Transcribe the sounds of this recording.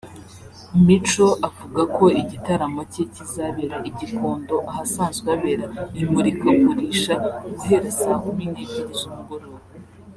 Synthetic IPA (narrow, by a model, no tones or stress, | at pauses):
mit͡ʃo̞ʔavuɡako̞iɟitaɾamocecizaβiɾaʔiɟikʰo̞ːndo̞ʔahasaːnzɡaβeɾaimuɾikakuɾiʃaziheɾesaɦomiːndeɟiɾizumuɡoɾoɾo